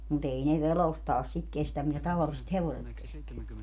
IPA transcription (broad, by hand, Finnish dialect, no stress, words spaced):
mut ei ne ʋerostɑːs sit kestæm mitæ tɑʋɑliset heʋoset kesteæ